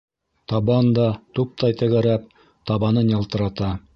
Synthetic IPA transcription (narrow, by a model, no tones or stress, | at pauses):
t̪ɑβɑnd̪ɑt̪up̚t̪ɑjt̪ɘ̆ɣæɾæp̚ | t̪ɑβɑnɤnjɑlˠt̪ɤ̆ɾɑt̪ɑ